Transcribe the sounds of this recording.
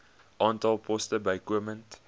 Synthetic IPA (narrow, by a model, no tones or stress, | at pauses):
ʔɑ̃ntalˠpʰɔstəbaɪkwəmə̃nt